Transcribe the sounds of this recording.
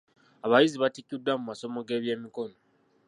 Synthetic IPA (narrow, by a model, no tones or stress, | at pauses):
aβajiziβatikːudːamumaso̞moɡe̞ːβje̞ːmiko̞no